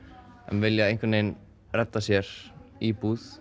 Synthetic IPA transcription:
ɛ̰nvɪljaðẽjŋkvɪneːjn | rɛt̪ːasjɛɾ̥ipuːð

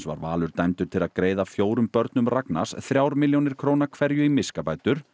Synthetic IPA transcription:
sva̰ɾva̰ːlʏɾ̥t̪ajmt̪ʏɾ̥t̪ʰɪlaðkɾeːjðafjoːwɾʏmpœɾt̪nʏmrakna̰sθɾjaːwɾmɪljownɪɾ̥kʰɾownakʰvɛɾjʏimɪskapaːjt̪ʏɾ̥

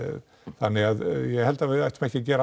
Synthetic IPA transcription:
θanːɪaðjɛɣhɛlt̪avɪaht̪mɛhçcːɪcɛːɾa

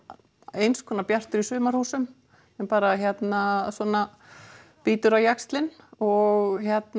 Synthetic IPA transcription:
ejnskʰɔːnapjar̥t̪ʏɾisʏːmaɾ̥huːsʏm | ɛnpaːɾaɦjɛt̪nasɔːna | piːt̪ʏɾawjakst̪lɪnɔɣçjɛt̪n

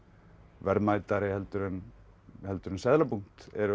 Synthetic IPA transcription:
vɛɾmaːjt̪aɾɪhɛlt̪ʏɾʏn | hɛlt̪ʏɾʏnsɛðlapuŋ̥t̪ɛɾʏ

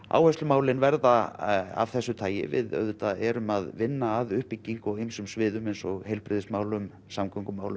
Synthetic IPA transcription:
a̰ːwhœst̪ʏmaːwlɪnvɛɾðaa̰v̥θɛsːʏt̪ʰaːjɪ̰vɪ̰ðœ̰ðʏt̪aɛɾʏmaðvɪnːaːðʏhpicːiŋkɔwɣejmsʏmsvɪːðʏmejnsɔɣhejlpɾɪðɪsmaːwlʏm | samkʰɔŋkʏmaːwlʏm

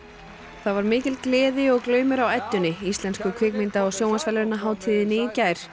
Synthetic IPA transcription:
θavaɾmɪːcɪlklɛːðɪɔɣklœːɥmʏɾawajt̪ːʏnːɪist̪lɛnskʏkʰvɪːkmɪnt̪aɔɣsjowŋansfɛlɾɪnːaɦaːwt̪ʰɪðɪnɪicaːjɾ̥

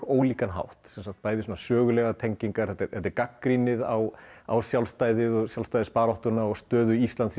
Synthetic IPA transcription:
oːwliːkanɦa̰wht̪sɛnsakt̪̚paːjðɪsuːnasœːɣʏlɛɣat̪ʰɛɲciŋkaɾ̥θɛt̪ːɪɾθɛt̪ɛɾkakːɾinɪðawa̰wsjawlst̪aːjðɪðɔɣsjawlst̪ajðɪspaːɾɔht̪ʏnaɔɣst̪œːðʏist̪lant̪s

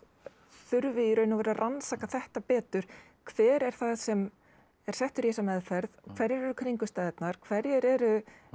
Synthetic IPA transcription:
θʏɾvɪiɾœːɥnʏvɛːɾarʔansaːkaθɛht̪apɛːt̪ʏɾ̥ | kʰvɛːɾɛɾ̥θaðsɛm | ɛɾ̥sɛht̪ʏɾjɛsamɛðfɛɾðɔkʰvɛɾɛɾɛɾʏkʰɾiŋkʏst̪aːðɛt̪naɾ̥kʰvɛɾjɛɾɛɾʏ

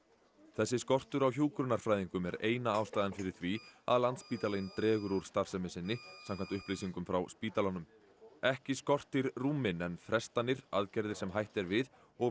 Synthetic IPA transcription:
θɛsːɪskɔr̥t̪ʏɾawçjuːkɾʏnaɾ̥fɾajðiŋkʏmɛɾeːjnaaːwst̪aːjðanfɪɾɪɾ̥θvia̰ðlant̪spiːt̪alajnt̪ɾɛːɣʏɾuɾ̥st̪ar̥sɛmɪsɪnːɪsãmkʰant̪ʏhplisiŋkʏmfɾawspiːt̪alanʏm | ɛhcɪskɔr̥t̪ɪɾruːmɪnɛnfɾɛst̪anɪɾaðcɛɾðɪɾ̥sɛmɦajht̪ɛɾvɪð | ɔɣ

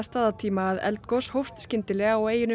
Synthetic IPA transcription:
st̪aːðat̪ʰiːmaːðɛ̰lt̪koshowft̪scɪnt̪ɪlɛːɣaɔweːjɪn

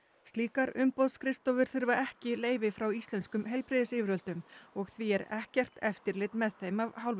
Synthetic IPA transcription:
st̪liːkaɾʏmpowðskɾɪst̪ɔvʏɾ̥θʏɾvaɛhcɪleːjvɪfɾawist̪lɛnskʏmɦejlpɾɪːðɪsɪːvɪɾœlt̪ʏmɔɣθviɛɾɛhcɛr̥t̪ɛft̪ɪɾlɪːt̪mɛðθejmavhawl

